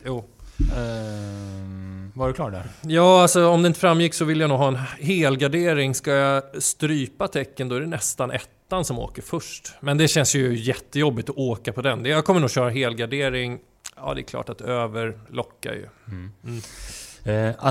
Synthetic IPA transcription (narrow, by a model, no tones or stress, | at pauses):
juː | vaɾɛklɑːʈdɛ̰jɑːalsɔɔmd̪ɛɪnt̪əfɾamːjɪkːsɔvɪlːjanuːɡɦɑːɛnɦeːlɡaɖeːɾɪŋskajast̪ɾyːpat̪ʰɛkːənd̪ɔæɖɛnɛst̪anʔɛt̪ːansɔmo̰ːkəɾfɵʂʈmɛnd̪ɛɕɛnsjɵjɛt̪ːəjɔbːɪt̪ɔʔoːkapʰɔd̪ɛnd̪ɛjaɡkʰɔməɳuːɡɕœːɾaɦeːlɡaɖeːɾɪŋ | ɑ̰ːd̪ɛ̰ːkʰlɑ̰ːʈat̪øːvəɾlʔɔkːa̰jɵ̰